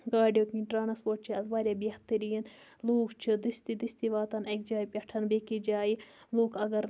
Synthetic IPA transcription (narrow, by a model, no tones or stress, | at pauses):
ɡaːɖjokiʈɾaːnɐspoːɾʈ̚t͡ʃʰiɐt̪ʋaːɾʲjaːbeht̪ɐɾijɐnloːkt͡ʃʰid̪ist̪id̪ist̪iʋaːt̪ɐnɐk̚d͡ʒaːipʲɐʈʰɐnbekid͡ʒaːiloːkʰɐɡɐɾ